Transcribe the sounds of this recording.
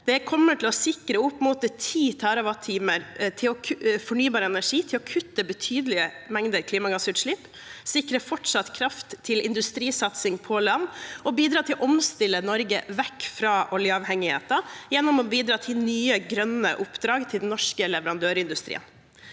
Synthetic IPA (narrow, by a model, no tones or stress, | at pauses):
d̪̥ɛkʰɔmːəʈʰɪlɔsɪkɾəʊpːmʊt̪̚ət̪ʰiːt̪ʰɑɾɑʋɑt̪ʰiːməɾt̪ʰɪlɔkʰfɔɳyːbɑːɾəɛnæʂiːt̪ʰɪlɔkʰʉt̪ːəbət̪ʰyːd̪əlɪəmɛŋd̪əɾkʰliːmɑɡɑsʉːt̪ʂɭɪp | sɪkɾəfɔʈʂɑt̪kʰɾɑft̪ʰːɪlɪ̰nd̪ʉst̪ɾiːsɑt̪sɪŋpʰɔlɑnːɔbiːd̪ɾɑːt̪ʰɪlʔɔmst̪ɪlːənɔɾɡəʋɛkːfɾɑːʔɔljəɑʋhɛŋːɪhḛːt̪ɑjɛnːʊmɔbiːd̪ɾɑːt̪ʰɪlnyːəɡɾœnə̰ʔʊpːd̪ɾɑːɡt̪ʰɪld̪n̩nɔʂkəlɛʋəɾɑnd̪øːɾəɪnd̪ʉst̪ɾḭːə̰n